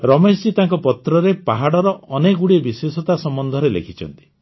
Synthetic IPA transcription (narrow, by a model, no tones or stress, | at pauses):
ɾɔmesd͡ʒit̪aŋkɔpɔt̪ɾɔɾepaɦaɽɔɾɔʔɔneɡuɽiebisesɔt̪asɔmbɔnd̪ʱɔɾelḛkʰit͡ʃʰɔ̰nt̪i̥